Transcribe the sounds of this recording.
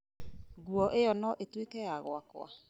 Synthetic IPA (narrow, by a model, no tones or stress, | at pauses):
ɡuɔʔeɔnɔʔetwekɛjaɣwakw̰a̰